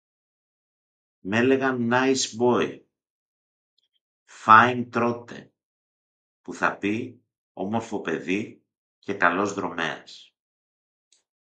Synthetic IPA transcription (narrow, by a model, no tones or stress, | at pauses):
me̞le̞ɣɐnːɐjsbo̞ḭ | fɐjnt̪ɾo̞t̪e̞̰ | puθɐpi | o̞mo̞ɾfo̞pe̞ði | ce̞kɐlo̞zðɾo̞me̞̰ɐ̰s